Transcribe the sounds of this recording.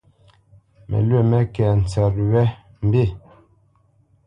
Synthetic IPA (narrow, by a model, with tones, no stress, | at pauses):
mɛ̰˨lɥe˦˨mɛ˦kɛ˨n̩˨t͡sɛ˨ɾ̚wɛ˦ | m̩˦be˦˨